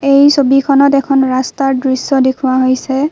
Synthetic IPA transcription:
ejsobikʰɔnɔtɛkʰɔnɹastaɹdɹisːɔdekʰʊwaɦojsɛ

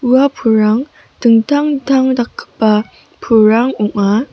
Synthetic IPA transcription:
uapʰuɹaŋ | tɯŋtʰaŋtʰaŋdakːɯ̥pːa | pʰuɹaŋuŋa

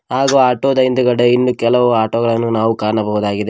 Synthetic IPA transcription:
ɦaːɡoaːʈoːd̪ɐjnd̪uɡɐɽeinːukɛlɐʋuaːʈoːɡɐɭɐnːunaːʋukaːɾɐɳɐbɐɦud̪aːɡid̪e

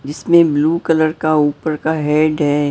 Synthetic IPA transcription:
d͡ʒɪsmẽbluːkələɾkauːpəɾkaɦɛːɖɦɛ

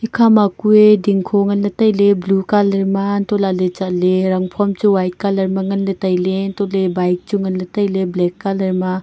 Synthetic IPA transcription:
ikʰamakuediŋkʰoŋɐnlɐtajleblukalɐɾmantɔlalet͡ʃaʔleɾɐŋpʰɔmt͡ʃuwajt̚kalɐɾmɐŋɐnlɐtajlentɔlebajk̚t͡ʃuŋɐnlɐtajleblɛkːalɐɾma

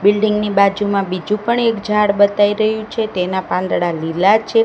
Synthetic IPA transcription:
bɪlɖiŋɡnibad͡ʒumãbid͡ʒũpəɳekd͡ʒʱaɽbət̪aiɾəɦjũt͡ʃʰet̪enapãnd̪ɽalilat͡ʃʰe

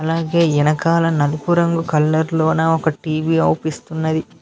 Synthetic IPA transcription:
ɐlaːɡe̞ːɛnɐkaːlɐnɐlukuɾɐŋɡukɐlːɐɾloːnaːɔkɐʈiːʋiːɐwpist̪unːɐd̪i

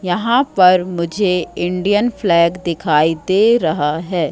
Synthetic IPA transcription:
jɐɦãpɐɾmʊd͡ʒʱeɪ̃ɳɖijənflɛːɡd̪ɪkʰaːid̪eːɾɐɦaɦɛː

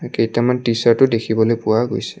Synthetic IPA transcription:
kejtamantisaɹtʊdekʰibɔlojpʊaɡojsɛ̥

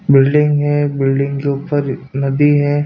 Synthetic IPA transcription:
bɪlɖɪ̃ŋɡɦɛ̃bɪlɖɪ̃ŋɡkeuːpəɾnɐd̪iɦɛː

